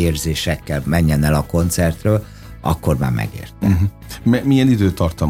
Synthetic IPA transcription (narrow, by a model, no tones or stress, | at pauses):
eːrzeːʃɛkːɛlmɛɲːɛnɛlɒko̞nt̪sɛrt̪røːl | ɒ̰kːo̞rma̰ːmɛ̰ɡḛːrt̪ɛ | mɛmijɛnid̪øːt̪ːɒrt̪ɒm